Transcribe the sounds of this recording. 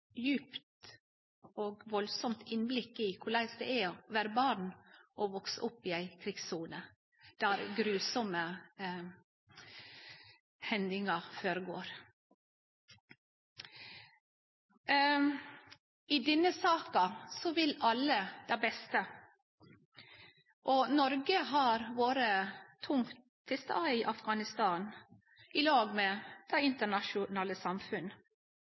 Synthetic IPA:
jʉːpt̪ | oːɡʋɔlsɔmt̪ʰɪnblɪkːɪkʰʊɭæɪsd̪ɛæʋæːɾəbɑːɳʔɔʋɔksəʔʊpːɪæɪkʰɾɪɡsuːnə | d̪̥ɑɾɡɾʉːsɔmə | hɛnd̪ɪŋɑføːɾəɡoːɾ | ɪd̪ɛnːəsɑːkɑsɔʋɪlɑlːəd̪æbɛst̪ə | ʔɔnɔɾɡəɦɑɾʋoːɾət̪ʰʊŋt̪ʰ | fɪst̪ɑɪʔɑfɡɑːnɪst̪ɑːn | ɪlɑːɡmeːd̪̥æɪɪnt̪əɳɑʃʊnɑːləsɑmfʉn

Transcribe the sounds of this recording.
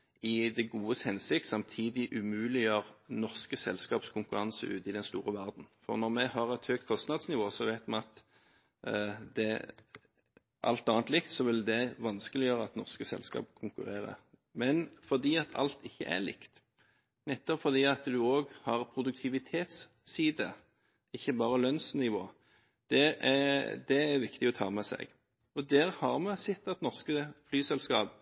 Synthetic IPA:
ɪd̪ɛɡuːəshɛnsɪk̚t̪sɑmt̪ʰiːd̪ɪʔʉmʉːlɪjøʁnɔʁskəsɛlskɑːpskʰʊŋkʉʁɑnsə̰ʔʉ̰ːt̪ɪd̪ɛnst̪uːʁəʋæʁd̪n̩fɔ̰ʁnɔʁmɛhɑʁɛt̪høːk̚t̪̚kʰɔst̪nɑd̪snɪʋoːsɔʋæɪt̪mɛɑt̪ | d̪ɛ | ʔɑ̰lt̪ɑːnt̪lɪkt̪sɔʋɪld̪ɛʋɑnskəlɪjøːʁəɑt̪nɔʁskəsɛ̰lskɑ̰ːpkʰʊŋkʉ̰ʁeːʁə̰ʁ | mɛnfɔʁd̪iːɑt̪ʰɑ̰lt̪ʰɪçːə̰ʔæ̰ɾlɪ̰kt̪ | nɛt̪ːɔpfɔʁd̪iːɑt̪d̪ʉoːɡhɑʁpʰʁʊd̪ʉk̚t̪ʰɪʋɪt̪ʰeːt̪sː | iːd̪ə̰ | ɪçːəbɑːʁəlœnsnɪʋo̰ː | d̪̥ɛ | d̪ɛæɾʋɪkt̪ɪɔt̪ʰɑ̰ːmɛsɛ̰ɡ | ɔd̪æːʁhɑʁmɛsɪt̪ːɑt̪nɔʁskəflyːsɛlskɑːp

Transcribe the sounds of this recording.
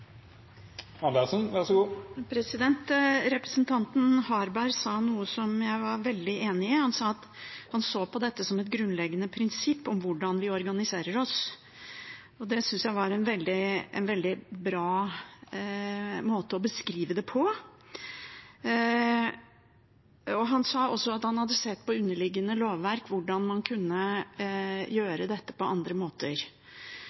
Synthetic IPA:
ɑb̪ɛsənʋæʂɔɡuːpʰɾɛsɪd̪ɛnt̪ɾɛpɾəsənt̪ʰɑnt̪n̩hɑɾbæɾsɑːnuːəsɔmjæɪʋɑɾʋɛld̪ɪeːnɪəhɑnsɑɑt̪ | hɑnsoːpɔd̪ɛt̪ːəsɔmɛt̪̚ɡɾʉnlɛɡːənəpʰɾɪnsɪpːɔmʋʊɖɑnʋɪɔɾɡɑnɪseːɾəɾɔs | ɔd̪ɛsʏnsjæɪʋɑɾɛnʋɛld̪ɪɛ̰nʋɛld̪ɪbɾɑː | moːt̪əɔbəskɾiːʋəd̪ɛpʰɔ | ɔɦɑnsɑːɔsːɔɑt̪hɑnhɑd̪ːəsɛt̪ːpɔʉnːəɭɪɡːənəloːʋːæɾkʋʊɖɑnmɑnkʰʉnːə | jøːɾəd̪ɛt̪ːə̥pɔʔɑnd̪ɾəmoːt̪əɾ

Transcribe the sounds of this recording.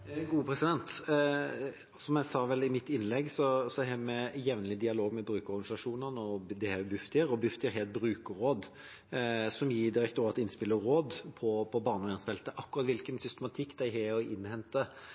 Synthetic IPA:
ɡuːəpʰɾɛsɪd̪ɛnt̪ | sɔmjæɪsɑːʋɛlɪmɪt̪ːɪnlɛɡsɔsɔɦɛmɛjɛʋnlɪd̪ɪɑloːɡmɛbɾʉːkəɾɔʁɡɑnɪsɑʂuːnənəɔd̪ɛhɛbʉft̪ɪəɾɔbʉft̪ɪəɾɦɛt̪̚bɾʉːkəɾoːd̪ | sɔmjiːd̪ɪɾɛk̚t̪uːɑt̪ɪnspɪlːəɾoːd̪pʰɔpʰɔbɑːʁnəɔɛnsfɛlt̪əʔɑkːʊɾɑt̪ʋɪlkənsʏst̪əmɑt̪ʰɪkːd̪æɪɦɛɔʔɪnːhɛnt̪ə

